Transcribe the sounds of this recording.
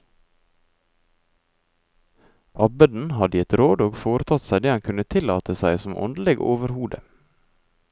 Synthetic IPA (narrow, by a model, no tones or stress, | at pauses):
ʔɑbəd̪n̩hɑd̪əjɛt̪ɾoːd̪oːɡfoːɾət̪ʰɑt̪sæɪd̪eːɑŋkʰʉnət̪ʰɪlɑ̰ːt̪ʰəsæɪsɔmʔɔ̰nd̪l̩ɪɡo̰ːʋəɾhuːd̪ə̰